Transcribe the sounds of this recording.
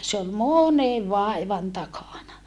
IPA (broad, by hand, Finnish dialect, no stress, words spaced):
se ol moˑneʋ ʋɑˑiʋɑn tɑkɑˑnɑ